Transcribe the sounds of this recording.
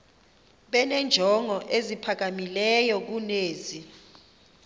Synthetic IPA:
ɓɛnɛnd͡ʒʱɔŋɔʔezipʰak̬amilɛjɔk̬uneːzi

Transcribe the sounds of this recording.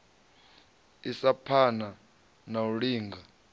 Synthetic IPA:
isapʰana | nauɺiːŋɡa

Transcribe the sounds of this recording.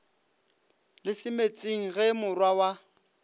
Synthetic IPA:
lɪsɪmet͡sʼiŋ̩ɣɛmʊrwawa

